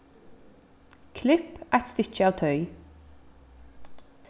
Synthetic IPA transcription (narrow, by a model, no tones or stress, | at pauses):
kʰlɪpʔæɪt̪st̪ɪc͡çəɑːʋt̪ʰœʏ